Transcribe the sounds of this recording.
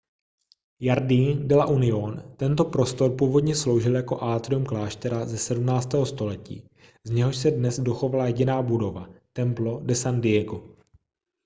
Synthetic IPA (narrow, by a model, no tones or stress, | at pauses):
jaɾdiːndɪlaʔunɪont̪ɛnt̪o̞pɾo̞st̪o̞ɾpuːvo̞dɲɛslo̞wʒɪljako̞ʔaːt̪ɾumklaːʃt̪ɛɾazɛsɛdumnaːt͡st̪ɛːɦo̞st̪o̞lɛcḭː | zɲɛɦo̞ʃsɛdnɛzdo̞xo̞valajɛɟɪnaːbudo̞vat̪ɛmplo̞dɛsandɪjɛɡo